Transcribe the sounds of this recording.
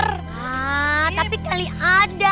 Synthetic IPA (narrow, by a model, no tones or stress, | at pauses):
at̪apikaliʔada